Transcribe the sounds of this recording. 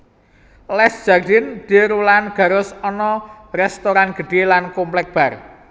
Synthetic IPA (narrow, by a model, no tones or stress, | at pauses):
lɛsd̥d͡ʒ̥ard̥ɪnd̪̥i̤ɾulanɡ̥a̤ɾʊsɔnɔ | rɛst̪oɾanɡ̥ə̤ɖ̥e̤lankomplɛk̚b̥a̤r